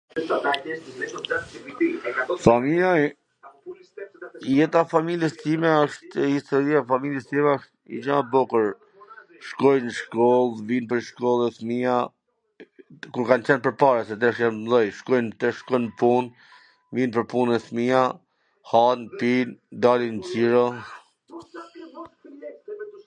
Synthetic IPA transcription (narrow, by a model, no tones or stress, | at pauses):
familja | jɛt̪afamiljɛst̪imɛɔʃt̪hist̪ɔɾiafamiljɛst̪imɛɔʃt̪ḭd͡ʒabɔkəɾ | ʃkɔjnʃkɔlˠvinpəɾʃkɔlˠɛθmia | kuɾkant͡ɕɛnpəɾpaɾasɛt̪ɛʃjanmðɔjʃkɔjnt̪ɛʃkɔjnpun | vinp̬əɾpunɛθmia | hanpind̪alind͡ʑiɾɔ